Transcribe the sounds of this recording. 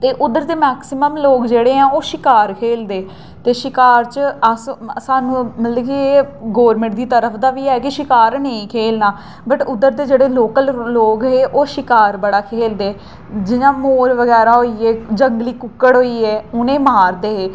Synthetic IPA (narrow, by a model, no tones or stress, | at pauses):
t̪eːʔʊd̪əɾt̪eːmɛːksɪməmloːkd͡ʒeːɽeːɛ̃ːoːʃɪkaːɾkʰeːld̪eː | t̪eːʃɪkaːɾt͡ʃəssaːnũːmət̪ləkieːɡoːɾmɪ̃ɳʈ̚d̪iːt̪əɾəpʰd̪aːʋiːɛːkɪʃɪkaːɾnəĩːkʰeːlnaː | bəʈʊd̪əɾt̪eːd͡ʒeːɽeːloːkəlloːɡɦeːʔoːʃɪkaːɾbəɽaːkʰeːld̪eː | d͡ʒɪɲãːmoːɾʋəɡɛːɾaːɦoːiːɛːd͡ʒəŋɡliːkʊkːəɽɦoːiːɛːʊnẽːmaːɾd̪eːɦeː